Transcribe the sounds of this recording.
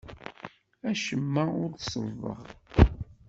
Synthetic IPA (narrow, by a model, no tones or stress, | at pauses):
æʃəmːæʊɾθsˤəvə̰ʁ